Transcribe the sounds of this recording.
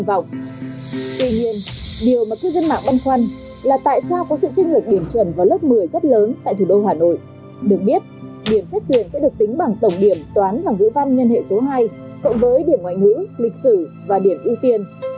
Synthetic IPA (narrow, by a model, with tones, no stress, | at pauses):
va̰˧˨wŋ͡m | t̪wi˧ɲi˧ənɗi˨˩əwmaː˨˩kaː˦˧˥k̚zə˧nma̰ː˧˨ŋɓa˧nxwa˧n | laː˨˩t̪a̰ː˧˨jsaː˧wkɔ˨˦sɨ̰˧˨t͡ɕï˧ŋ̟lɨ˨˩k̚ɗi˧˩əmt͡ɕwə˧˩nvaː˨˩wlə˦˥p̚mɨ˨˩əjzə˦˥t̚ləː˨˦nt̪a̰ː˧˨jt̪ʰu˧˨˩ɗo˧ɦaː˨˩no̰˧˨j | ɗɨ˨˩ək̚ɓi˦˥ət̚ | ɗi˧˩əmsɛ˦˥k̚t̪wi˧˩ənsɛ̰˧˥ɗɨ˨˩ək̚t̪ï˨˦ŋ̟ɓa˨˩ŋt̪ə˧˩wŋ͡mɗi˧˩əmt̪waː˨˦nvaː˨˩ŋɨ̰˧˥va˧nɲə˧nhḛ˧˨so˨˦ɦaː˧j | kʊ̰˧˥ŋ͡mvəː˨˦jɗi˧˩əmŋwa̰ː˧˨jŋɨ̰˧˥lï˨˩k̟̚sɨ˧˩ | vaː˨˩ɗi˧˩əmʔi˧əwt̪i˧ən